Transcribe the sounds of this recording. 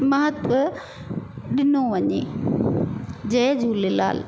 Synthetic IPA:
mɐɦət̪ʋə | ɗɪnoʋɐɲḛ | d͡ʑɐd͡ʑʱuːlela̰ːl

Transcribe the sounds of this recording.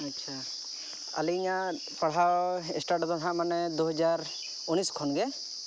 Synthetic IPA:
ɐtːʃʰa | a̰liɲa | paɽ̤awɛsʈaɾʈt̪ɔt̪ɦãmanɛd̪uɦɔd͡ʒaɾ | uniskʰɔnɡɛ

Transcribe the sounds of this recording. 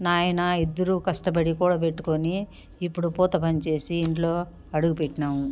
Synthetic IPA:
naːjɐnɐid̪ːɐɾukɐʂʈɐpɐɽikuːɽaːp̬eʈːu̥koniː | pːuɽupɔːt̪ɐpɐɲt͡ʃe̞ːsiːɳʈlo̞ː | ɐɽuɡupeʈːinaːmu

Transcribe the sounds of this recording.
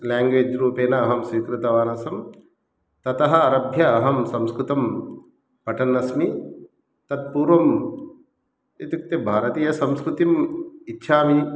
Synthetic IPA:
laːŋɡʋeːd͡ʒɾuːpeːnɐːɦɐmsʋiːkɾut̪ɐʋaːnɐsɐm | t̪ɐt̪ɐɦɐɐɾɐbʱjɐːɦɐmsɐmskɾut̪ɐm | pɐʈʰɐnːɐsmi | t̪ɐt̪̚puːɾʋɐm | et̪juk̚t̪ebʱaːɾɐt̪iːjɐsɐmskɾut̪imitːʃʰaːmi

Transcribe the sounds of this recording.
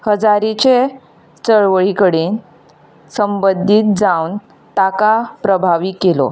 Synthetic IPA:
həd͡zaɾit͡ɕe | t͡səɭʋəɭikəɽiːn | səmbəd̪ʱːiːt̪̚d͡zawn | t̪akapɾəbʱaʋikelo̰

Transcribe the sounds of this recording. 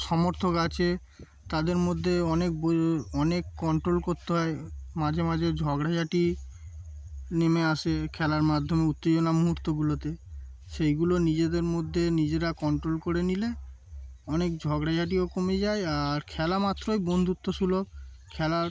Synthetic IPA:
ʃɔmoɾt̪ʰokat͡ɕʰe | t̪ad̪eɾmod̪ʱːeɔnek̚bɔnekːɔɳʈɾolkoɾt̪eɦɔemad͡ʑʱemad͡ʑʱed͡ʑʱɔɡɽad͡ʑaʈi | nemeasekʰɛlaɾmad̪ʱːomeut̪ːed͡ʑonamuɦuɾt̪oɡulot̪e | ʃejɡulonid͡ʑed̪eɾmod̪ʱːenid͡ʑeɾakɔɳʈɾolkoɾenile | ɔnek̚d͡ʑʱɔɡɽad͡ʑaʈ̬iokomed͡ʑaeaɾkʰɛlamat̪ːɾojbond̪ʱut̪ːoʃulo | kʰɛla

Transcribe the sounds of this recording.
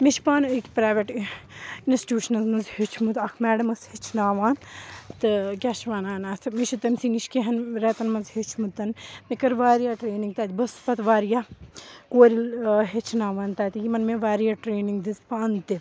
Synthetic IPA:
miʃpaːnəkpɾaːʋeʈ | insʈʈʲjuːʃɐnɐzmɐnzhet͡ʃʰmut̪ɐkʰmɛːɽɐmɐshet͡ʃʰnaːʋaːnt̪ɨkʲɛːʃʋaːnaːnaːsʰɐmiʃit̪ɐmsiniʃkeɦɐnɾɐt̪ɐnmɐnzhet͡ʃʰmut̪ɐnmekɐɾʋaːɾijaːʈɾeːniŋɡ̚t̪aːt̪ibɐspɐt̪ʋaːɾjaːkoːɾilɦet͡ʃʰnaːʋaːnt̪aːt̪ijimɐnmeʋaːɾijaːʈɾeːniŋɡd̪izpaːnt̪i

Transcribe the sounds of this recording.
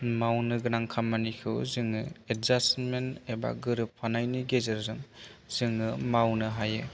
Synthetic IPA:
mawnɯɡɯnaŋkʰamːanikʰɯwzɯŋɯet̚zasmeneba̰ɡɯɾɯpʰːanajniɡezeɾzɯŋz̥ɯŋːɯmawnɯɦajɯ

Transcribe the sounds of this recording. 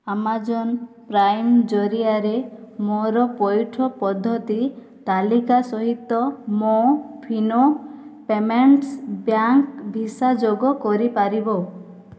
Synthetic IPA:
amad͡ʒɔn | pɾajmd͡ʒɔɾiaɾemoɾɔpɔjʈʰɔpɔd̪ʱːɔt̪i | t̪alikasɔɦit̪ːɔmopʰinopemeɳʈsbjaŋkbʱisad͡ʒoɡɔkɔɾipaɾibɔ

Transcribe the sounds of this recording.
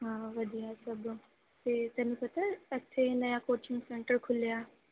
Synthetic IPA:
ɦãːʋɐd̪ijasɐb | t̪et̪ɛnĩpɐt̪aɐt͡ʃʰenɐjakoːt͡ʃɪ̃ŋɡsẽɳʈəɾkʰʊljaː

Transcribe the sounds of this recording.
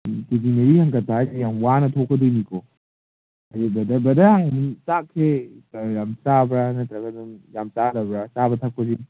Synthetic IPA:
ted͡ʒineɾihɐŋkɐtʰazijaŋwanɐtʰokʰːɔdojnikʰo | ɐjibɐdɐbɐdɐhaŋmsakʰːejamsabɾanɐtɾɐɡɐduŋjamsalɐbɾasabɐtʰɐk̚pɐd͡ʒi

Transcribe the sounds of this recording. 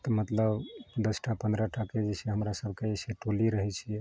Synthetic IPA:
t̪ɔmət̪ləbd̪əsʈʰapənd̪ɾaʈʰaked͡ʒɛseɦəmɾasəbʱkeeseʈoliɾəɦɛt͡ʃʰiɛ

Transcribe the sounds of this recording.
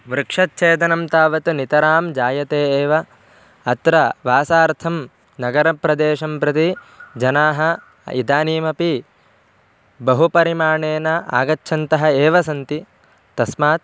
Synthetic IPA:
ʋɾɨkʂɐt̪̚t͡ʃeːd̪ɐnɐmt̪aːʋɐt̪unit̪ɐɾaːmd͡ʒaːjɐt̪eːeːʋɐ | ɐt̪ɾɐʋaːsaːɾt̪ʰɐm | nɐɡɐɾɐpɾɐd̪eːʂɐmpɾɐt̪i | d͡ʒɐnaːɦɐ | ḭd̪aːniːmɐpi | bɐɦupɐɾimaːɳeːnɐʔa̰ːɡɐtːʃʰɐnt̪ɐɦɐeːʋɐsɐnt̪i | t̪ɐsmaːt̪̚

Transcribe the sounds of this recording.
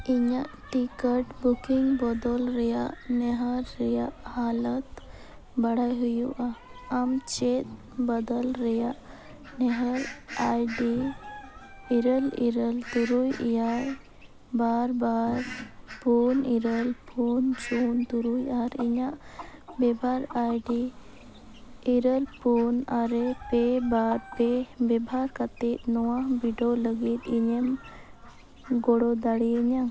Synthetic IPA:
iɲaʔʈikəʈbukiŋɡbɔd̪ɔlɾɛjaʔnɛɦəɾːɛjaʔhalət̪ | bəɽajɦujuʔaamt͡ʃet̪̚ | bəd̪əlɾəjaʔ | nɛɦəɾajɖi | iɾəliɾəlt̪uɾujjaɾ | baɾbaɾpuniɾəlpʰunt͡ʃunt̪uɾujaɾiɲaʔbɛbʱaɾajɖi | ɾəlpunaɾepebaɾpebɛbʱaɾkat̪it̪̚nɔwabiɖɔləɡit̪iɲem | ɡɔɽɔd̪aɽiɛɲa

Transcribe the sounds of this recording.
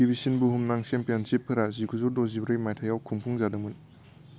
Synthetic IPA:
ibisinbuɦumnaŋsempijɔnsip̚ʰːɯɾazikʰuzuɾdɔzibɾɯjmajtʰajawkʰuŋpʰuŋzadɯmɯn

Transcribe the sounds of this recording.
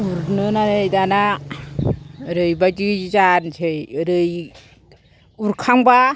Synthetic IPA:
uɾnɯnaɾɯjdana | ɾɯjbadizansʰɯjɾɯj | uɾkʰaŋba

